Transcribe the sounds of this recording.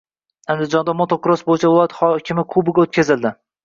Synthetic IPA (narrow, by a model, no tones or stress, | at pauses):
and̪ɪd͡ʒɒnd̪amot̪ʰokʊɾosbojɪt͡ʃʰavɪlˠɒjat̪hɒkʲʰɪmɪqʰʊbɪɡʲaot̪̚kʲʰazɪld̪ɪ